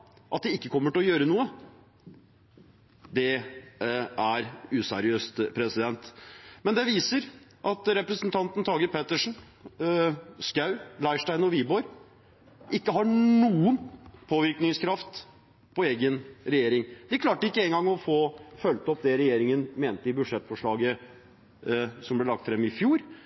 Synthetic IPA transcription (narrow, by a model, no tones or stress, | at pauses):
ʔɑ̰t̪̚d̪ɛɪkːəkʰɔmːəʈɪlɔjøːɾənuːə | d̪ɛ | æɾʉːsɛ̰ɾɪøːst̪pʰɾɛsɪd̪ɛnt̪mɛnd̪ɛʋiːsəɾʔɑt̪ɾɛpɾəsnt̪ʰɑnt̪n̩t̪ʰɑːɡəɾpʰɛt̪ːəʂɳn̩ | skɑʉlɑɪʂʈæɪnɔʋiːbɔɾ | ʔɪkːəɦɑnuːənpʰoːʋɪɾknɪŋskʰɾɑft̪ | pʰɔeːɡənɾɛjeːɾɪŋd̪ɛkʰlɑːʈəɪkːəɛːŋɡɑŋːɔfoːfœlt̪ɔp̚d̪ɛɾɛjeːɾɪŋənmeːnt̪ːəɪbʉd̪ʂɛt̪ːfɔʂɭɑːɡə | sɔmblɛlɑkt̪fɾɛmːɪfjuːɾ